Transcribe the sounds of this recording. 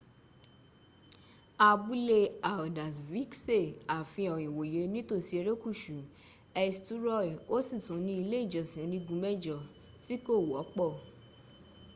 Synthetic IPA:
a˧bu˦le˧a˨da˨svi˦kse˦˨a˨fĩ˧ɔ˨j̃ĩ˨wo˨je˨˦nĩ˦to˦˨si˧e˧ɾe˦ku˦˨ʃu˨ | ɛ˧stu˦ɾɔ˦˨o˦sĩ˦˨sũ˨˦nĩ˧˦i˧le˦i˦˨d͡ʒɔ˨sĩ˨˦nĩ˧ɡũ˨˧˦mɛ˦d͡ʒɔ˨ | ti˦ko˦˨wɔ˨˦k͡pɔ˦˨

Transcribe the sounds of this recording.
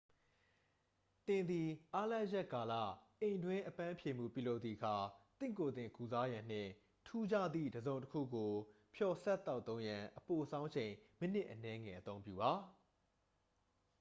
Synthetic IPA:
t̪ɪ̃˨nd̪i˨ʔa˦la˦˨jɛ˦˨ʔka˨lä̰˦˨ʔẽ˨ɪ̃ndwɪ̃˦ʔəpã˦pʰje˨m̥ṵ˦˨pjṵ˦˨lo˦ʊt̪i˨əkʰa˨t̪ɪ̃˦˨ko˨d̪ɪ̃˨ku˨za˦jã˨n̥ɪ̰̃˦˨ | tʰu˦d͡ʑä̰˦˨d̪ðḭ˦˨dəzõ˨ʊ̃ntəkʰṵ˦˨ɡo˨ | pʰjɔ˨sɛ˦t̪ːa˦ʊt̪õ˦ʊ̃jã˨ʔəpo˨sʰã˦ʊ̃ɲt͡ɕʰẽ˨ɪ̃mɪ̃˦˨n̥ɪ˦ʔənɛ˦ŋɛ̰˨ʔət̪õ˦ʊ̃mpjṵ˦˨ba˨˦

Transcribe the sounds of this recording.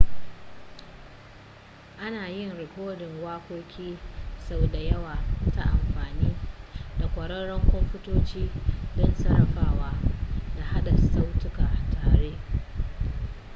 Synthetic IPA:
ʔa˦naː˨jɪ˦˨ŋɾɪ˨kʷoː˦dɪ˨ŋwaː˦kʷoː˦kʲiː˦sa˦wda˨jɐ˦waː˨ta˨ʔa˨mɸaː˨niː˦da˨kʷɐ˨ɽɐ˦ɽɐ˦ŋkʷɔ˦mɸʊ˦toː˦t͡ʃiː˦dɔ˦nsɐ˦˨ɾɐ˦ɸaː˨waː˦da˨ha˦ɗa˨sa˦wtʊ˦kaː˨tʰaː˨ɽeː˦

